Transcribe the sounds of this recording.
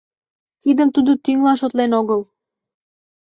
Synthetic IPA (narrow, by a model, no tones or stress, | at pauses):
t̪id̪əmt̪ud̪ot̪yŋlɑnʃot̪lenoɣɤl